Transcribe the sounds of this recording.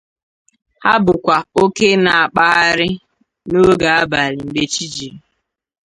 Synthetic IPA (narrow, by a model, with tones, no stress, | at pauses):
ha˦bʊ˨kʷa˨o˦ke˦na˨a˨k͡pa˦a˦ɾɪ˦ | no˦ɡa˨a˦ba˨ɾɪ˨m̩˨ɡ͡be˨t͡ʃi˦d͡ʒi˨ɾ